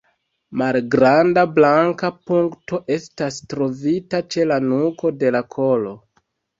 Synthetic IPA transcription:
malɡɾandablaŋkapuŋkto̞ʔe̞stastɾo̞vitat͡ʃe̞lanuko̞de̞lakʰo̞lo̞

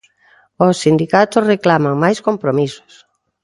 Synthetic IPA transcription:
osːind̪ikat̪osreklamaŋmajskompɾomiso̥s

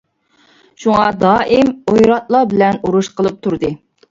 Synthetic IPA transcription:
ʃuŋɑd̪ɑːʔɪmojɾɑt̪̚lˠɑbɪlɛnuɾuʃqəlˠɨp̚t̪ʰuɾd̪ɨ

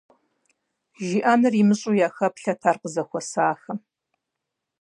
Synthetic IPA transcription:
ʒiʔaːnɨrimɨɕʼujaːxɐpɬɐtʰaːrqəzɐxʷɔsaːxɐ

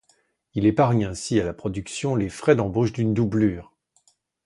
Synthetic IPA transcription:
ilepaʁɲɛ̃sialapχɔd̪yksjɔ̃lefχɛd̪ɑ̃boʃd̪ynd̪ublyːʁ

